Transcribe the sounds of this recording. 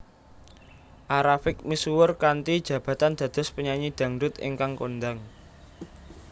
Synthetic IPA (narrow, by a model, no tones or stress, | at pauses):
ʔaɾafɪk̚misuwʊrkant̪id̥ʒ̥ä̤b̥ä̤t̪and̪̥ä̤d̪̥ɔ̤spəɲaɲid̪̥a̤ŋd̪ʊt̪ɪ̰ŋkaŋkond̪aŋ